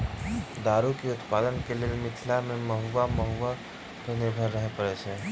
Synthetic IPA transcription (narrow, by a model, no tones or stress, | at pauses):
d̪aːɾukeʊt̪paːd̪ənkelelmɪtʰlamẽməɦuʋaməɦuʋa | kenɪɾbʱəɾːəɦepəɾɛsɛ̃ː